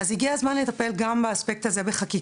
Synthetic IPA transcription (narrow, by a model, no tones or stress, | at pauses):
azhiɡiazmanlet̪ape̞lɡambaːspek̚t̪aze̞beχaki